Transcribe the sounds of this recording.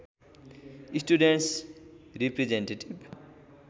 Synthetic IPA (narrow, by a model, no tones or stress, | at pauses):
isʈuɖeɳʈsɾipɾed͡ʒeɳʈeʈib